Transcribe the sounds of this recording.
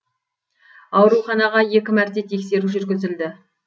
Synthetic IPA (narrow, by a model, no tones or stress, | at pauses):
ɑwɾuχɑnɑʁɑje̞kʲɪmæɾt̪e̞t̪ʰe̞kse̞ɾuʒʏɾɡʲɪzɪld̪ɪ